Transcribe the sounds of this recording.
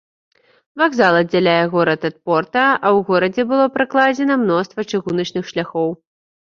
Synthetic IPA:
vaɡzalˠɐd̪d͡zʲalʲajɛɣɔɾɐt̪ɐt̪̚pɔrt̪ɐɐwɣɔɾɐd͡zʲɛbɨlˠɔpɾɨklˠad͡zʲɛnɐmnɔst̪vɐt͡ʂɨɣunɐt͡ʂnɨxʂlʲaxɔw

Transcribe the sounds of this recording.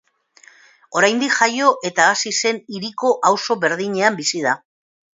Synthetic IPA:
o̞ɾajnd̪ikʝajo̞ʔe̞t̪aːsise̞niɾiko̞ʔawso̞βe̞ɾðiɲe̞ambisiða

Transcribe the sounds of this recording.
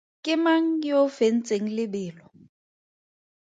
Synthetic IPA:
kʼɪmaŋ̩jofen̩t͡sʼeŋ̩lɪbɪːlɔ

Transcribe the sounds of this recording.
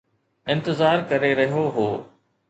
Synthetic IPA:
ɪ̃nt̪ɪzaːɾkɐɾeɾɐɦijoɦoː

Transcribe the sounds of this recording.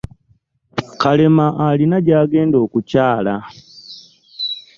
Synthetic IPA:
kale̞maʔalinaɟaːɡe̞ːndo̞ːkucaːla

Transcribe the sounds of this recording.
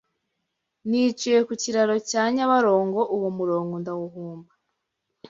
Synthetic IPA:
nit͡ʃijekuciɾaɾo̞caːɲaβaɾo̞ːŋɡo̞ʔuwomuɾo̞ːŋɡondawuɦuːmba

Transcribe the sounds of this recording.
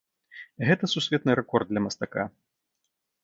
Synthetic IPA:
ɣɛt̪ɐsusʲvʲɛt̪nɨɾɛkɔrd̪̚d̪lʲɐmɐst̪aka̰

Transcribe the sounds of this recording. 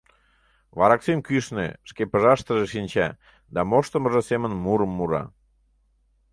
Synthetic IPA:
βɑɾɑksemkyʃnḛʃkepəʒɑʃt̪əʒeʃinʲt͡ɕæ̰ | d̪ɑmoʃt̪əməʒəsemənmuɾəmːuɾɑ̰

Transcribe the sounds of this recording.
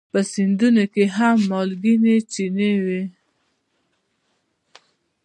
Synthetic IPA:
pəsind̪unokeɦamːɔlɡinet͡ʃinewe

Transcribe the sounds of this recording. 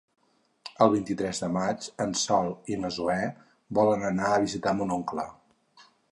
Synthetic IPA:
əlˠβ̞int̪it̪ɾɛzðəmad͡ʒənsɔlˠinəzuɛ | bɔlənənaəβizit̪amunoŋklə

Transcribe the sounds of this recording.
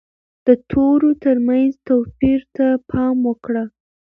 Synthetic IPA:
d̪̥ət̪ʰoɾot̪əɾmanzt̪opiɾt̪apʰɑmwəkɽə

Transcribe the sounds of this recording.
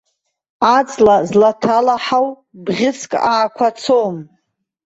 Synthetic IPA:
at͡sʼlazlatʰalaħaw | bʁʲɪskʼaːkʷʰat͡sʰom

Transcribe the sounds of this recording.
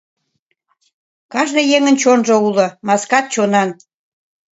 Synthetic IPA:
kɑʒnəjeŋənt͡ɕonʒoulŏmɑskɑt̪̚t͡ɕonɑn

